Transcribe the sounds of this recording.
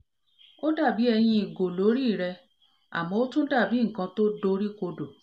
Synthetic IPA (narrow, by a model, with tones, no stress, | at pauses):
o˦da˦˨bi˨˦ɛ˧j̃ĩ˧i˨ɡo˨lo˨˦ɾi˦˨ɾɛ˧ | a̰˨mɔ̃˧˦o˦tũ˦da˦˨bi˨˦ŋ̩˨kã˧to˦do˧˦ɾi˦ko˧do˨